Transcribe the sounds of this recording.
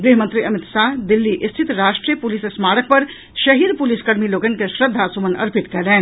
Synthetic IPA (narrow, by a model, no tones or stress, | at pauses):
ɡɾiɦmə̃nt̪ɾiɐmɪt̪saːɦd̪ɪlːiʔɪst̪ʰit̪ɾaːʃʈɾijəpulisesmaːɽək̚pɐɾ | ʃɐɦiɾpuliskɐɾmiloːɡənkeʃɾəd̪ʱːasumənɐ̰ɾpit̪kɛlɛ̃ːn